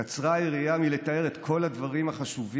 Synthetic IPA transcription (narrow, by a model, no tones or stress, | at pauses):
at͡sʁaiʁiamile̞t̪ae̞ʁet̪kʰo̞lad̪vaʁimaχaʃuv